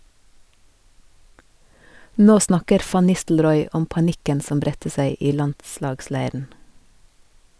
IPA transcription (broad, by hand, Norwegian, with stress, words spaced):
ˈnoː ˈsnɑkəɾ ˈfɑn ˈnɪstl̩ɾɔʏ ˈɔm pɑˈnɪkən ˈsɔm ˈbɾɛtə ˈsæɪ ˈiː ˈlɑndˌslɑːɡˌslæɪɾn̩